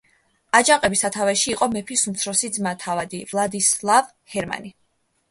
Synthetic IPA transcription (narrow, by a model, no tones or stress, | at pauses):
ad͡ʒaqʼɛbisat̪ʰavɛʃiːqʼɔmɛpʰisumt̪sʰɾɔsid̪zmat̪ʰavad̪ivlˠad̪islˠav | hɛɾma̰ni